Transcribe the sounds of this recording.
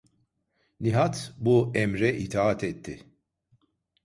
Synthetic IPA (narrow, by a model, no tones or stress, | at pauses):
nʲiɦat̪buɛmɾɛʔit̪ʰaat̪ʰɛt̪ʰːɪ